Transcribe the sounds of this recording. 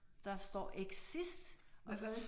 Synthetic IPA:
d̥ɑ̈sd̥ɒ̰ːʔeɡ̥sisd̥

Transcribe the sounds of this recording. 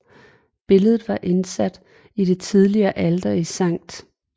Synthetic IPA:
b̥e̝ləð̞̩ˠʋɑ̈ʔe̝nsæd̥ | id̥e̝t͡sʰið̞ˠliɐːʔæld̥ɐisɑ̈ŋ̰d̥

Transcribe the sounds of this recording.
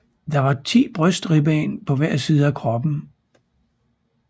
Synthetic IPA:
d̥ɑ̈ʋɑ̈t͡sʰḭːb̥ʁœsd̥ʁib̥ɛ̰ːnpʰɒ̽ʋæɐ̰siːð̞ˠəækʰʁɒ̽b̥n̩

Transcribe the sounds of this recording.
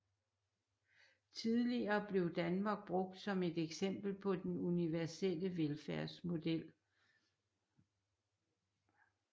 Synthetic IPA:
t͡sʰiðˠliɐːb̥le̝ʊd̥ænmɑ̈ːɡ̥̚b̥ʁɔ̽ɡ̥̚d̥sɒ̽me̝d̥eɡ̥sem̰b̥l̩pʰɒ̽d̥enuniʋæɐsel̰əʋelfæɐ̰smo̝d̥el̰

